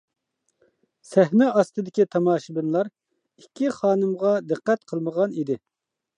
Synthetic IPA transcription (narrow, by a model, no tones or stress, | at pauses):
sɛhnɛɑst̪ɨd̪ɪkʲit̪ʰɑmɑːʃɪbɪnlˠɑɾ | ikʲʰːiχɑːnɨmʁɑd̪ɨqːɛt̪qʰəlˠməʁɑnid̪ɪ